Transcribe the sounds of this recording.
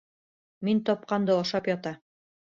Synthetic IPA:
mint̪ɒp̚qɑnd̪ɤɑʃɑpjɒt̪ɑ

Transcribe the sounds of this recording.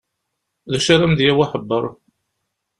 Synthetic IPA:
ðæʃaɾæmðjæwaħəbːəɾˤ

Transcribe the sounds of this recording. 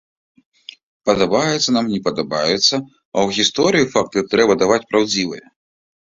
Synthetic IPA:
pɐd̪ɐbajɛt̪sːɐnamnʲɛpɐd̪ɐbajɛt̪sːɐ | ɐwɣʲist̪ɔɾɨjifak̚t̪ɨt̪ɾɛbɐd̪avat͡sʲpɾawd͡zʲivɐ̰jɛ

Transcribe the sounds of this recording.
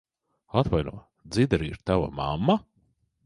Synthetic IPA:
at̪vajnuɔ | d̪zid̪ɛɾiɾt̪ava̰ma̰mːa

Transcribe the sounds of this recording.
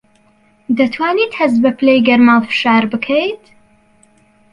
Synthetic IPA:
d̪ɐt̪ʰwaːniːt̪hɐzbɐpʰlejɡɐɾmaːlfɨ̥ʃaːɾbɨkʰɐjt̪

